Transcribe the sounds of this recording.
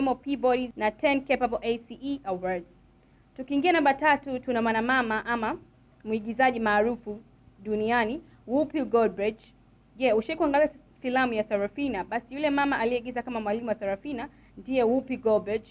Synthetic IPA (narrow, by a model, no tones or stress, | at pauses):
mɔpibɔɾinatʰɛnkɛpabɔlʔejsiʔiʔawadz̥ | tukiːŋɡianambatatutunamwanamamaʔama | muiɠizaʄimaːɾufu | ɗuniani | wupiuɡɔlbɹid͡ʒ | ʄɛuʃiikuaŋɡalia | filamujasaɾafinaɓasijulɛmamaʔaliɛiɠizakamamwalimuwasaɾafina | ndiɛwupiɡɔlbɹid͡ʒ